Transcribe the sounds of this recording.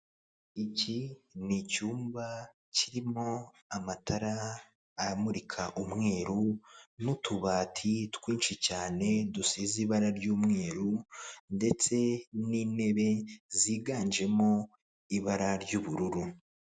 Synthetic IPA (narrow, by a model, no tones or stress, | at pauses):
icinicuːmba | ciɾimo̞ | amatʰaɾaː | ɾamuɾikʰaʔumŋe̞ːɾunutʰuβaːtʰitkwiːnʃicaːne̞dusiziβaɾaɾɟuːmŋe̞ːɾunde̞t͡se̞niːne̞βe̞ziːɡaːnd͡ʒe̞mo̞ | iβaɾaɾɟuːβuɾuɾu